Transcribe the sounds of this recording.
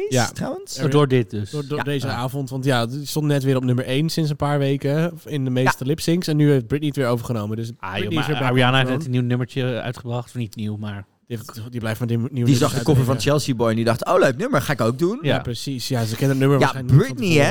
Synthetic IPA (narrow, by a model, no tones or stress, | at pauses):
jatawənsdʊɹdɪt̚døsddʊdejzəaːfɔntʋɑntjastɔ̃ntnɛtʋɪːɾɔpnʏməɹʔejnsɪns̬ənpaːɹʋejkəɪndəmejstəlɪpsɪŋsɛnːyhejfd̚bɹɪtnitʋɪːɹowvəɹχənowmədøsaoniɪsəbɛɹianafnɛtənːiwnøməɹt͡ʃə̰ɥtχəbrɑχtnitniwmaːɹ | diefdiblɛjfmɛniwdizɑχdəkɔfəvɔ̃nt͡ʃɛlˠsibɔjndidɑχtowləɥk̚nøməɹχaːɪkowk̚dunjaprəsisjasəkɛnətnøməɹabɹɪni